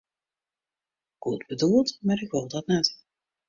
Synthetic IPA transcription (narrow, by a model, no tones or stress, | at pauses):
ɡ̥udbədulˠtmaːɾɪkʋɪlˠdɑtnɛt